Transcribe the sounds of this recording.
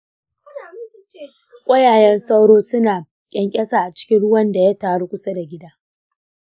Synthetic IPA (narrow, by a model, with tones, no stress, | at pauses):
kʷʼɐ˦jaː˨jɛ˦nsa˦wɽoː˦sʊ˦naː˨ | jʲʼɐ˦ŋkʲʼɐ˦saː˨ʔa˨t͡ʃɪ̥˦kʲɪ˦nɽʊ˦wɐ˦nda˨ja˦taː˨ɽo˦kʷʊ˦sɐ˦da˨ɡʲɪ˦daː˦